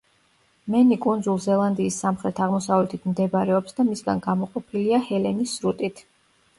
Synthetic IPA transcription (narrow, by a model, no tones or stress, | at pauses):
mɛnikʼund̪zulˠzɛlˠand̪iːsːamχɾɛt̪ʰaʁmɔsavlɛt̪ʰit̪ʰmd̪ɛbɾɛɔpsd̪amisɡanɡamɔqʼɔpʰiliahɛlɛnisɾut̪ʼit̪ʰ